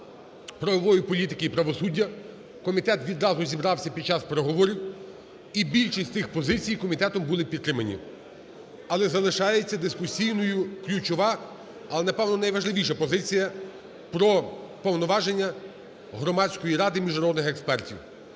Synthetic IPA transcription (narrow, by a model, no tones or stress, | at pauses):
pɾɔʋɔʋɔjipɔlʲit̪ɪkɪipɾɐʋɔsudʲːɐ | kɔmʲit̪ɛt̪ʋʲid̪ɾɑzʊzʲibɾɑwsʲɐpʲid̪t͡ʃɑspeɾeɦɔʋɔɾʲiw | ibʲilʲʃistʲt̪ɪxpɔzɪt͡sʲijkɔmʲit̪ɛt̪ɔmbʊlˠɪpʲit̪t̪ːɾɪmɐnʲḭ | ɐlˠɛzɐlˠɪʃɑjet͡sʲːɐd̪ɪskʊsʲijnɔjʊklʲut͡ʃɔʋɑ | ɐlˠɛnɐpɛwnɔnɐjʋɐʒlˠɪʋʲiʃɐpɔzɪt͡sʲijɐ | pɾɔpɔwnɔʋɑʒenʲːɐ | ɦɾɔmɑt͡sʲkɔjiɾɑd̪ɪmʲiʒnɐɾɔd̪nɪxekspɛrtʲḭw